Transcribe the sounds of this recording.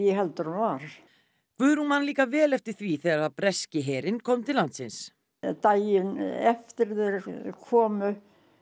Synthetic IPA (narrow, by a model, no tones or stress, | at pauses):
jɛɦɛlt̪ʏɾhunvaɾ̥ | kʰvʏðɾhunmanliːkavɛːlɛft̪ɪɾ̥θviθɛːɣaɾaðpɾɛscɪɦɛːɾɪnkʰɔwmt̪ʰɪlant̪sɪns | t̪aːjɪnɛft̪ɪɾðɛɾkʰɔːmʏ